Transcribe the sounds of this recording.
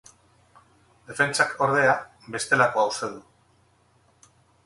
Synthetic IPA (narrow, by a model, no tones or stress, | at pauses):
d̪e̞fe̞nt͡sakʰo̞ɾð̞e̞a | be̞st̪e̞lako̞awst̪e̞ðu